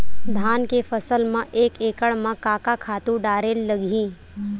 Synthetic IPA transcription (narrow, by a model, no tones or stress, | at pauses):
d̪ʱaːnkefəsəlmãʔeːkeːkəɽmãkaːkakʰaːt̪ũɖaːɾeːlːəɡʱĩː